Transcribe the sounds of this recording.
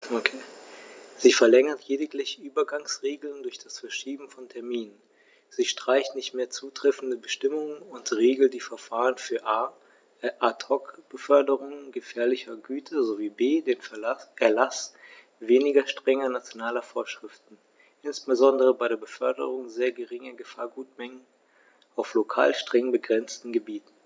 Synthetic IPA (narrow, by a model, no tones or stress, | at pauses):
okʰe | z̥iːfɛɐlɛŋɐtʰjeːdɪklɪçəʔyːbɐɡaŋsʁeːɡl̩ndʊɐçd̥asfɛɐʃiːbm̩fɔntʰɛɐmiːnən | z̥iːʃtʁ̥aɪçtnɪçtmeːɐt͡suːtʁ̥ɛfn̩dəbəʃtɪmʊŋənʊntʁeːɡl̩td̥iːfɛɐfaːʁ̞ənfyːɐʔaː | ʔatʰɔkb̥əfœɐdəʁʊŋənɡəfɛːɐlɪçɐɡyːtʰɐzoviːbeːdeːnʔɛɐlas | veːnɪɡɐʃtʁ̥ɛŋɐnat͡sjonaːlɐfoːɐʃʁ̥ɪftn̩ | ʔɪnsb̥əzɔndəʁəbaɪɾeːɐbəfœɐdə̰ʁʊŋzeːɐɡəʁɪŋɐɡəfaːɐɡuːtmɛŋən | ʔaʊflokʰa̰ːlʃtʁ̥ɛŋbəɡʁɛnt͡stn̩ɡəbiːtn̩